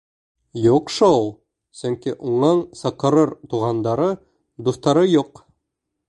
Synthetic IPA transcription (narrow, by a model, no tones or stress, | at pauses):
juqʃoulˠ | sɵŋkiʔuɴɑɴsɤ̆qɤ̆ɾɤɾt̪uʁɑnd̪ɑɾɤ | d̪uθt̪ɑɾɤjuq